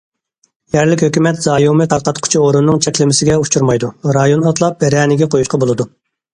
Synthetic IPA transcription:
jɛɾlɪkʲhøkʲymɛt̪z̥ɑːjuwmɨq̪ʰɑɾqɑt̪qʰʊ̥t͡ʃʰioɾunːɨŋt͡ʃʰɛkʲlɪmɪsɪɡʲɛut͡ʃʰuɾmɑjd̪uɾɑjonɑt̪lˠɑp̚bɛɾɑːnɪɡʲɛqʰojuʃqʰɑbolˠɨd̪u

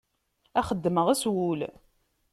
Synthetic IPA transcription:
æχəd̪ːməʁæswul

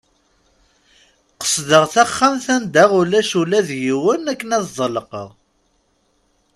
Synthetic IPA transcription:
qə̥sˤðəʁθæχːæmθænd̪æʁulæʃulæðjiwənækːənæðzˤələqəʁˤ

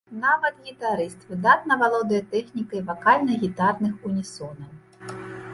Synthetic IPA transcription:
navɐt̪ɣʲit̪aɾɨst̪vɨd̪at̪̚nɐvalˠɔd̪ɐjɐt̪ɛxnʲikɐjvakalʲnɐɣʲit̪arnɨxunʲisɔnɐw

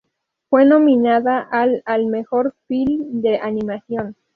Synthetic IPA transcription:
fwenominaðaʔalalmexoɾfild̪eʔanimasjon

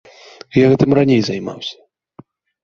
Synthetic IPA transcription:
jaɣɛt̪ɨmranʲejzajma̰wsʲɐ̥

